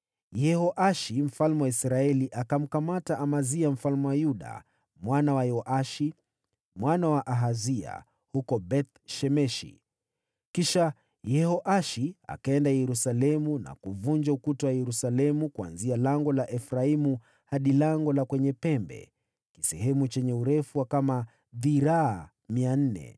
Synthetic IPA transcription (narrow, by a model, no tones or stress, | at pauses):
jɛhɔʔaʃim̩falmɛwaisɾaɛliʔakam̩kamataʔamaziam̩falmɛwajuɗa̰ | mwanawajɔʔaʃi | mwanawaʔaɦazia̰ | hukɔbɛt̪̚ʃɛmɛʃḭ | kiʃa | jɛhɔʔaʃia̰kaɛndajɛɾusalɛmuna̰kuvuɲd͡ʒaukutɔwajɛɾusalɛmukua̰nzialaŋɡɔlaʔɛfɾaimu | haɗilaŋɡɔlakwɛɲɛpɛmbɛ̰ | ki̥sɛɦɛmut͡ʃɛɲɛuɾɛfuwakama | ðiɾaː | mian̩nɛ̰